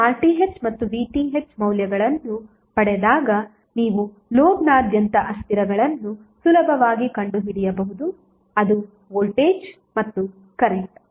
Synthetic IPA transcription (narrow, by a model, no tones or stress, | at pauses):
aːlʈiɦet͡ʃmɐt̪ːuʋiːʈiŋɦet͡ʃmɐwljɐɡɐɭɐnːu | pɐɽɛd̪aːɡɐ | niːʋu | loːbnaːd̪ʱjɐnt̪ɐʔɐst̪iɾɐɡɐɭɐnːu | sulɐbʱɐʋaːɡikɐɳɖuɦiɽijɐbɐɦud̪u | ɐd̪u | oːlʈeːd͡ʒ | mɐt̪ːu | kɐɾek̚ʈu